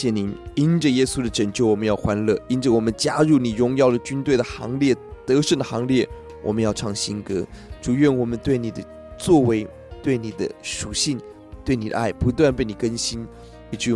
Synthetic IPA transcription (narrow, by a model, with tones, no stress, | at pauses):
jɛ˥˩ni˨˥˦ni˥nʈ͡ʂə˨jɛ˥su˥d̪ə˨ʈ͡ʂə˨˩ŋt͡ɕjo˥˩ʊwɔ˨˩mə˦njɑ˥˩ʊxwa˧˥nlɤ˥˩i˥nʈ͡ʂə˨wɔ˨˩mə˦nt͡ɕja˥ɻu˥˩ni˨˩ɻʊ˧˥ŋjɑ˥˩ʊd̪ə˩t͡ɕy˥nt̪we˥˩ɪd̪ə˩xɑ̰˧˥ŋljɛ˥˩t̪ɤ˧˥ʂə˥˩nd̪ə˩xɑ˧˥ŋljɛ˥˩ | wʔɔ˨˩mə˦njɑ˥˧ʊʈ͡ʂʰɑ˥˩ŋɕi˥nkɤ̰˧˥ʈ͡ʂu˨˩ɥɛ˥˩nwɔ˨˩mə˦nt̪we˥˩ɪni˨˩d̪ə˦ | t͡swɔ˥˩we˧˥ɪ | t̪we˥˩ɪni˨˩d̪ə̰˦ʂu˨˩ɕi˥˧ŋ | t̪we˥˩ɪni˨˩d̪ə̰˦a˥˩ɪpu˧˥t̪wa˥˧npe˥˩ɪni˨˩kə˥nɕi˥n | i˧˩t͡ɕy˥˧